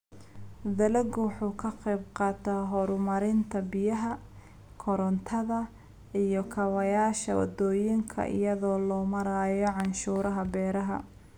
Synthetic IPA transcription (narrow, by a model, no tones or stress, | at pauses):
d̪ɐlɐɡwħuːkʰɐqɛjbqɑːt̪ʰɐɦɔɾʊmɐɾɪnt̪ʰɐbɪjɐɦɐ | kʰɔɾɔnt̪ʰɐðɐ | ijɔkʰɐwɐjaːʃɐ̰wɑ̰d̪ɔːjɪŋkʰɐ̰ʔɪ̰jɐðɔːlɔːmɐɾaːjɔʕɑnʃuːɾɐɦɐbɛːɾɐɦɐ̰